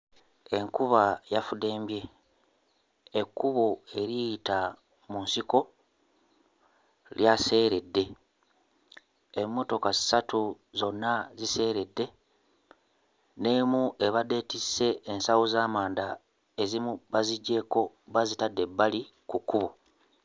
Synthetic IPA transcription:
e̞ŋkuβajafude̞ːmbje̞ | kːuβoe̞ɾijita | munsiko̞ | ljase̞ːɾe̞dːe̞ | emːo̞to̞kazi̥satu | zo̞nːazise̞ːɾe̞dːe̞ | ne̞muʔe̞βade̞tisːe̞ːnsawozaːmaːnd̪a | ezimuβaziɟːe̞ko̞ | βazitadːe̞bːali | kukːuβo

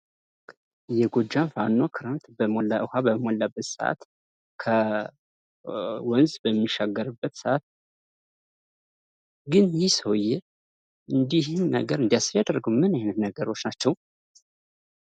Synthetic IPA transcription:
jɛɡod͡ʒːanfanːokʰɨɾant̪bɨhʷabəmɔlːabːət̪sə̰ʔa̰t̪ | kʰə | wɔnzbəmːiʃaɡːəɾɨbːət̪səʔat̪̚ | ɡɨnjisəwjɛ | ʔɨnd̪ihɪnːəɡəɾɨnd̪ijasɨɾjad̪əɾɡəwmɨnɪhnɨt̪nəɡəɾo̞t͡ʃːnat͡ʃːɛw

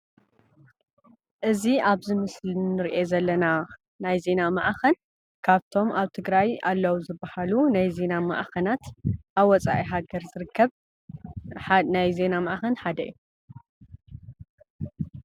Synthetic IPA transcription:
ʔɨziaβzɨmɨslinɨɾʔezɐlːɐna | najze̞namaʔxɐn | kʰaβt̪ʰo̞mʔaβt̪ʰɨɡɾajalːɐwuzɨbːɐhalunajze̞namɐ̰ʔxɐnat̪ʔaβwɔt͡sʼa̰ʔiɦaɡɐɾzɨɾɨkʰːɐβ | ħnajze̞namɐʔxɐnħad̪ɐjːu

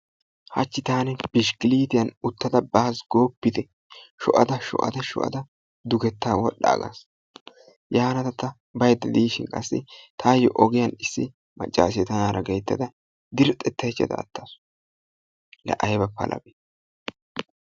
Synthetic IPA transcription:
hɐt͡ʃːɪt̪aːnɛb̥ɪʃkɪliːt̪ɪjɐnʊt̪ːɐd̪ɐbɐhɐsɡoːpːɪt̪ɛ | ʃɔ̰ʔɐd̪ɐʃɔ̰ʔɐ̰d̪ɐʃɔ̰ʔɐ̰d̪ɐ | d̪ʊɡɛt̪ːaːwɔ̰ɗːa̰ːɡa̰s | jaːnɐt̪ɐt̪ɐ | bɐjd̪ːɛd̪iːʃɪnkʼɐsːɪ̰t̪ʰaːjɔʔɔɡɪjɐnɪsːɪ | mɐ̰t͡ʃʼːa̰ːs̬ɛt̪ːɐnaːɾɐɡejt̪ːɐd̪ɐ | d̪ɪɾt̪ʼːɛt̪ʰːɐjt͡ʃːɐ̰t̪ɐ̰ːt̪ːaːsʊ̥ | lɐ̰ʔɐjbɐpːɐ̰lʔɐ̰be

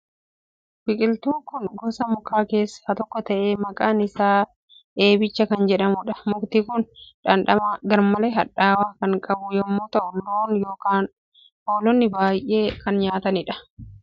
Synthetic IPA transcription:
fɪkʼɪlt̪uːŋkʊnɡɔsɐmʊkaːke̞ːsːɐ̥hɐt̪ɔkːɔt̪ɐʔeːmɐkʼaːnɪsaː | ʔe̞ːbɪt͡ʃːɐkɐnd͡ʒɛᶑɐmʊᶑɐ̥mʊkt̪iːkʊnᶑɐnᶑɐmaɡɐɾmɐleɦɐᶑaːwaːkɐŋkʼɐbʊjɔmːoːt̪ɐʔʊnːoːnjo̞ːkaːn | ho̞ːlɔnːɪbaːjʔe̞ːkɐnɲaːt̪ɐnɪᶑɐ̥

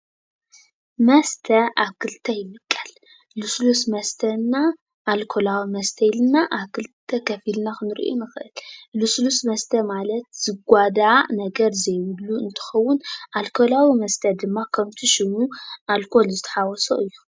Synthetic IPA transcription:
mɐst̪ʰɐaβkʰɨlt̪ʰɐjɪmɨkʼːɐl | luslusmɐst̪ʰɐna | ʔːlkʰolawimɐst̪ʰɐjɪlɨnːaʔaβkʰɨlt̪ʰɐkʰɐfilnaxɨnɨɾʔo̰nɨxɨʔɨlluslusmɐst̪ʰɐmalɐt̪z̥ɨɡʷad̪aʕanɐɡɐɾzɐjwɨlːuɨnt̪ʰɨ̥xɐwːʊnʔalkʰo̞lawimɐst̪ʰɐd̪ɨmːakʰɐmt̪ʰiʃɪmuʔalkʰo̞lzɨt̪ʰɐ̥ħawɔso̰ʔɨjːu

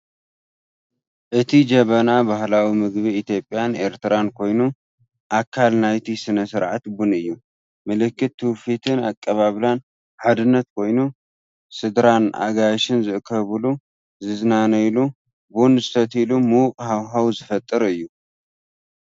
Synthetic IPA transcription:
ʔɨt̪ʰid͡ʒɐβɐnabahlawimɨɡbiit̪jo̞pʼːjane̞ɾt̪ʰɨɾankʰo̞jnu | ʔakʰːalnajt̪ʰisɨnɐsɨɾʕa̰t̪bunɨjːu | mɐlɨkːɨt̪ːɨwfit̪ʰɨnakʼːɐβaβlan | ħad̪ɨnːɐt̪̚kʰo̞jnu | sɨd̪ɾanʔa̰ɡajʃɨnzɨʔkʰɐβɨlu | zɨznanɐjlu | bunzɨt̪ʰɐt̪ilumuqʼhawɦawzɨfɐt̪ʼːɨɾɨjːu

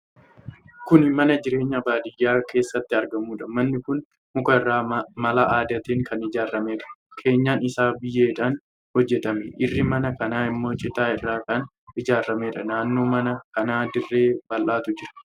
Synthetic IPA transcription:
kʊnmɐnɐd͡ʒɪɾe̞ːɲːɐbaːd̪ɪjːaːkʰe̞ːsːɐt̪ːɪɐɾɡɐmuːᶑɐmɐnːɪkʊn | mʊkɐɪrːaːmɐlaʔaːd̪ɐt̪iːŋkʰɐnɪd͡ʒaːrːɐmeːᶑɐ̥kʰe̞ːɲːaːnɪsaːbɪjːeːɪᶑaːn | hɔd͡ʒːɛt̪ɐmɛʔɪrːɪmɐnɐkɐnaːɪmːo̞ːt͡ʃʼɪt̪aːɪrːaːkɐn | ɪd͡ʒaːrːɐmeːᶑɐnaːnːo̞ːmɐnɐkɐnaːd̪ɪrːe̞ːbɐlʔaːt̪ʊd͡ʒɪɾɐ̥

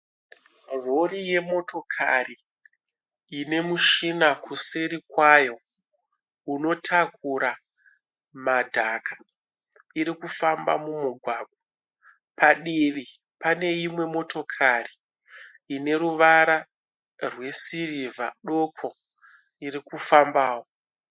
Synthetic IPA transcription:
ro̞ɾije̞mo̞to̞kʰa̰ri | ne̞muʃinakuseɾikwajo̞ | uno̞tʰakʰuɾa | madʱakʰḁ | iɾikufamba̰mumuɡʱwaɡʱwa | paɗiʋi | pane̞imwe̞mo̞to̞kʰariː | ne̞ɾuʋaɾa | rwe̞sirivʱa̰ɗo̞kʰo | irikufambaːwo

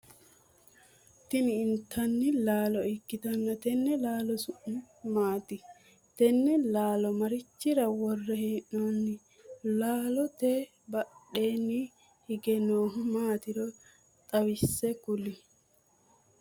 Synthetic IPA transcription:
t̪ɪnɪːnt̪ʰːɐnːɪlaːlɔɪkːɪt̪ɐnːɐt̪ɛnːɛlaːlɔsʊʔɪ | maːt̪ɪ | t̪ɛnːɛlaːlɔmɐɾɪt͡ʃːɪɾɐwɔrːɛhɛʔnɔnːɪ | laːlɔt̪e | bɐɗeːnːɪ | hɪɡɛnoːɦʊmaːt̪ɪɾɔ | t̪ʼɐwɪsːɛkʊlɪ

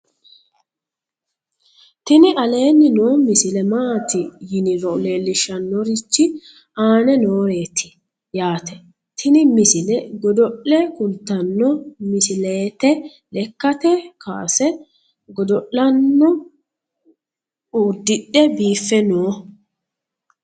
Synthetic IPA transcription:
t̪ɪnɪʔɐle̞ːnːɪnoːmɪsɪlɛmaːt̪ɪjɪnɪɾɔle̞ːlːɪʃːɐnːɔɾɪt͡ʃːɪ | aːnɛnoːɾe̞ːt̪ʰɪ̥ | jaːt̪ɛ | t̪ʰɪnɪmɪsɪlɛɡɔd̪ɔʔːɛkʊlt̪ːɐnːɔmɪsɪleːt̪ɛ | lɛkːɐt̪ɛkʰa̰ːsɛ | ɡɔd̪ɔʔlɐnːɔ | uːd̪ːɪɗːɛbiːfːɛnoː

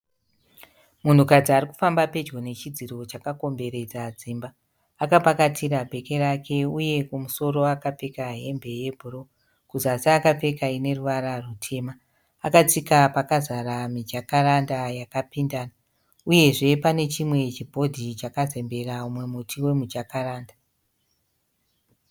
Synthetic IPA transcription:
mun̤ukad͡ziaɾiku̥fambape̞d͡ʒɡone̞t͡ʃid͡ziro̞t͡ʃakako̞mbe̞ɾe̞d͡zad͡ziːmbaː | kapakatiɾabʱe̞ke̞ɾakʰe̞uje̞kumuso̞ɾo̞akap͡fe̞kaɦe̞mbe̞je̞bʱuro̞ | kuzasaːkap͡fe̞kaine̞ruʋaɾarutʰe̞ːma | akat͡sikapakazaɾamid͡ʒakaɾandajakapindaːna | uje̞ʐe̞pane̞t͡ʃimwe̞t͡ʃibʱo̞dʱit͡ʃakaze̞mbe̞raumwe̞mutʰiwe̞mud͡ʒakaraːnda

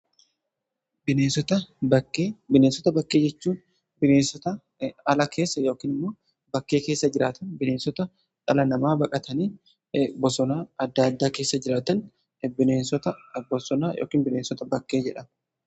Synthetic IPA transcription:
bɪneːnsɔt̪ɐbɐkːeːbɪneːnsɔt̪ɐbɐkʼːe̞ːd͡ʒɛt͡ʃːuːn | bɪneːnsɔt̪ɐ | ɐlɐkʰe̞ːsːɐjo̞ːkiːnɪmːo̞ː | bɐkːeːke̞ːsːɐd͡ʒɪɾaːt̪ɐnbɪneːnsɔt̪ɐ | ᶑʼɐlɐnɐmaːbɐkʼɐt̪ɐniː | bɔsɔnaːɐd̪ːad̪ːaːke̞ːsːɐd͡ʒɪɾaːt̪ɐn | bɪneːnsɔt̪ɐbɔsɔnaːjʔo̰ːkiːnbɪneːnsɔt̪ɐbɐkːe̞ːd͡ʒɛᶑɐ

